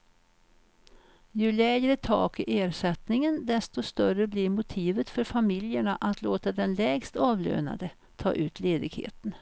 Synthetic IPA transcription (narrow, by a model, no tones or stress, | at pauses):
jɵlɛːɡɾət̪ʰɑ̰ːkɪʔeːɾʂɛt̪nɪŋənd̪ɛst̪ɔst̪œrəblɪɾmʊt̪ʰiːvət̪fœɾfamɪljəɳaʔat̪loːt̪ad̪ɛnlɛːɡst̪ɑːvlø̰ːna̰d̪ə | t̪ʰɑ̰ːʔʉ̟ːt̪ʰleːd̪ɪɡhḛːt̪ən